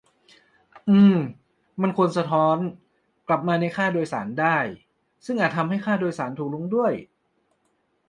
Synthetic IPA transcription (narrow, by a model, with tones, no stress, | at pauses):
ʔɯː˧m | ma˧nkʰu˧ənsa˧t̪ʰɔː˦˥n | kla˨˩p̚maː˧na˧jkʰaː˥˩doː˧jsa̰ː˩˦ndaː˥˩j | sɯ˥˩ŋʔaː˨˩t̪̚ʰa˧mha˥˩jxʰaː˥˩doː˧jsaː˩˦nt̪ʰuː˨˩k̚lu˧˦˥ŋdu˥˩əj